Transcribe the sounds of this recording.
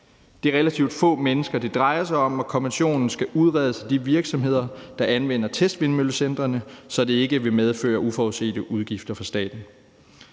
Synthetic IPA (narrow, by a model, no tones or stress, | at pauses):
d̥e̝æɐʁɛlæt͡sʰiʊd̥fɔ̰̽ːmenəsɡ̥ɐd̥ed̥ʁɑ̈ɪɐsɑ̈ɪɒ̽m̰ækʰɒ̽nʋenɕo̝̰ːnn̩sɡ̥æʔuð̞ˠʁɛð̞ˠəsæd̥iʋiɐɡ̥sɒ̽mɦe̝ð̞̰ˠɐd̥ɑ̈ʔænʋen̰ɐt͡sʰesd̥ʋe̝nmøləsend̥ʁɐnəsɒ̽d̥e̝e̝ɡ̥əʋe̝með̞ˠfø̰ːɐʔufɒːse̝̰ːd̥əʔuð̞ˠɡ̥ifd̥ɐfɑ̈sd̥ɛ̰ːd̥n̩